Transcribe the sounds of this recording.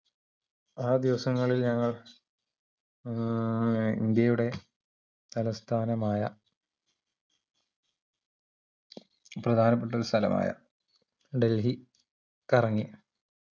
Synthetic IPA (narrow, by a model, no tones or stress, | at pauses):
aːd̪iʋɐsɐŋːɐɭilɲɐŋːɐɭ | ḭnd̪jɐjuɽe̞ | t̪ɐlɐst̪ʰaːnɐmaːjɐ | prɐd̪ʱaːnɐpːeʈ̬ːɐɾust̪ʰɐlɐ̰mʔa̰ːjɐ̰ | ɖe̞lɦi | kɐrɐŋːi